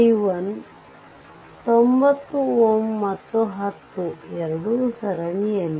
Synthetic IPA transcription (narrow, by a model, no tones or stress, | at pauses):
ʋɐn | t̪ombɐt̪ːuomːɐt̪ːuɦɐt̪ːuɛɾɐɽusɐɾɐɳijɐn